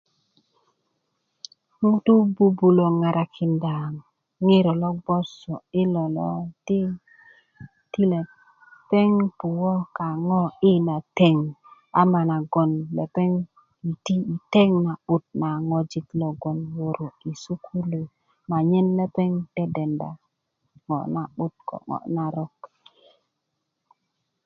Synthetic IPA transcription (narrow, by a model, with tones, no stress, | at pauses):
ŋu˦tu˦bu˦bu˨lo˨ŋa˨ɾa˨kʰi˨nda˨ŋ | ŋi˦ɾɔ˨lɔ˦ɡ͡bɔ˦sɔ˨i˦lɔ˨lɔ̰˦ti˦ | ti˦le˨ | pe˦ŋpu˨wɔ˦ka˨ŋɔ˦i˦na˨te˦ŋ | a˨ma˨na˨ɡo˨nle˨pe˦ŋ | i˨ti˦˨te˦ŋna˨ɓu˦t̚na˨ŋo˨d͡ʒi˨t̪lo˨ɡo˨nwo˨ɾo˨i˨su˦kʰu˦lu˨ | ma˨ɲe˦nle˦pe˦ŋte˦de˨nda̰˨ | ŋo̰˨na˨ɓu˦t̚ko̰˨ŋo̰˨na˨ɾo˦k